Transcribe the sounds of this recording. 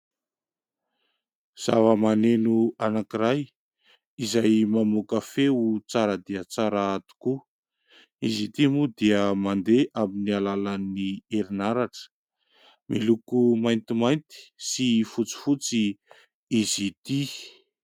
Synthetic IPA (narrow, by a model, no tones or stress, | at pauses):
z̥avəmanenuanakiɾaj | izajmamukafeut͡saɾəd̪iət͡saɾaat̪u̥ku | izit̪imud̪iəmand̪eʔaminialalanieɾinaɾaʈ͡ʂə̥ | milukumajnt̪imajnt̪i̥sifut͡si̥fut͡si | izit̪i